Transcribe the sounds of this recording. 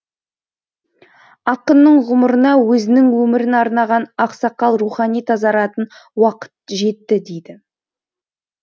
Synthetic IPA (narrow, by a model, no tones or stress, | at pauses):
ɑqənːəɴʁʊməɾənɑwɵzɪnɪŋwɵmɪɾɪnɑɾnɑʁɑnɑqsɑqːɑlˠɾuχɑnijt̪ʰɑzɑɾɑt̪ən | wɑqə̥t̪̚ʒe̞t̪ːɪd̪ejd̪ɪ